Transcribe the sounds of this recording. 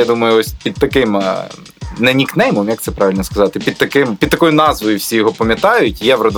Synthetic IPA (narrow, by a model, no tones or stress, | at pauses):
jad̪umɐjʊɔsʲpʲid̪̚t̪ɐkɪm | nɐnʲiknɛjmɔmjɐk̚t̪ɛpɾʔɑʋʲilʲnɔskɐzɑt̪ɪpʲid̪̚t̪ɐkɪmpʲid̪̚t̪ɐkɔjʊnɑzʋɔjʊwsʲijɔɦɔpɐmʲjɐt̪ɑjʊtʲjɛʋɾɔd̪